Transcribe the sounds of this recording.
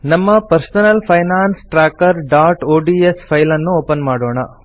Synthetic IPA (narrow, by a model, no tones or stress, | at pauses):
nɐmːɐpɐɾsɐnɐlpʰɐjnaːnsʈɾaːkɐɾɖaːʈoːɖiespʰɐjlɐnːuoːpɐnmaːɽoːɳɐ